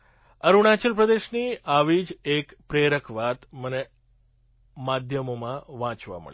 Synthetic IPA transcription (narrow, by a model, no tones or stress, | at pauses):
əɾuɳ̃at͡ʃəlpɾəd̪eʃniaʋid͡ʒekpɾeɾəkʰʋat̪məne | mad̪ʱjəmomãʋãt͡ʃʋa̰mə̰ɭ